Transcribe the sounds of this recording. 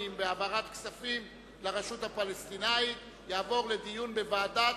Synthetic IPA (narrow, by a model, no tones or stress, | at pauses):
imbeavaʁat̪ksafim | leʁeʃut̪hapalest̪inait | jaːvo̞ʁle̞d̪ijunbe̞vaːda